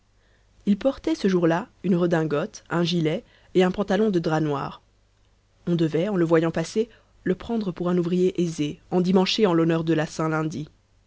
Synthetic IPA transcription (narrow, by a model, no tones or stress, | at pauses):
ilpɔʁt̪ɛsəʒuʁlaynʁəd̪ɛ̃ɡɔt̪ɛ̃ʒilɛ | eɛ̃pɑ̃t̪alɔ̃d̪əd̪ʁanwa̰ːʁ | ɔ̃d̪əvɛɑ̃ləvwajɑ̃pase | ləpχɑ̃d̪ʁəpuʁɛ̃nuvʁijeʔezeɑ̃d̪imɑ̃ʃeɑ̃lɔnœʁd̪əlasɛ̃lɛ̃d̪i